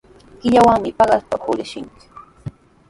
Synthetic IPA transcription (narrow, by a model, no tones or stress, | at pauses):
kɪʎawaŋmɪpɑɢaspahʊɾɪʃɪŋkɪ̥